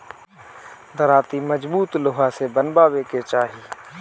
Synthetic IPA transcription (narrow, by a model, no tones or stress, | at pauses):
d̪əɾaːt̪iməd͡ʒbuːt̪lʊɦasebənbaːweket͡ʃaːɦiː